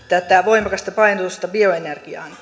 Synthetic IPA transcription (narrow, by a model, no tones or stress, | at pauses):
t̪ːæːt̪t̪æːʋoimɑkɑst̪ɑpɑint̪ust̪ɑbioenerɡ̥iɑ̰ːn